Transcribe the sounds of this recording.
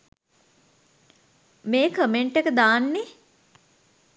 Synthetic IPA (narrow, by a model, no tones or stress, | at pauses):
meːkʰəmeɳʈekəd̪aːnːe